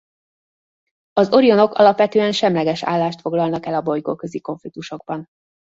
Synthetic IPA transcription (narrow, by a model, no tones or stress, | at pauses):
ɒzo̞ɾijo̞no̞kɒ̰lɒpʋɛt̪øːɛnʃɛmlɛɡɛʃa̰ːlːaːʃt̪fo̞ɡlɒlnɒkɛlɒbo̞jkokøziko̞ɱflik̚t̪uʃo̞ɡ̚bɒn